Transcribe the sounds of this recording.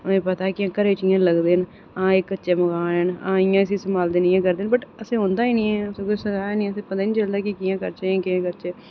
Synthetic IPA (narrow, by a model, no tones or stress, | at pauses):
ẽːpət̪aːkɪãːkəɾeːt͡ʃɪjãːləɡd̪eːn | ãːɪkːətːt͡ʃeːməɡaːənã̰ːɪjãːɪs̬ĩːsəmaːld̪eːniːãːkəɾd̪eːnbəʈəsẽːɦõːnd̪aːiːnĩːɛːəsẽːkoːisəɡaːaːniːəsẽːpət̪aːiːnĩːt͡ʃəld̪aːkɪkijãːkəɾt͡ʃeẽːkɪãːkəɾt͡ʃeː